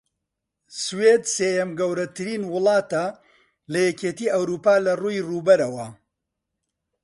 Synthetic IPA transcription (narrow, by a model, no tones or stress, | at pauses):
sweːd̪seːjɐmɡɐwɾɐt̪ɨɾiːnwʊlˠɑːt̪ɐ | lɐjɛkeːt̪iːʔɐwɾuːpaːlɐruːjruːbɐɾɐwɐ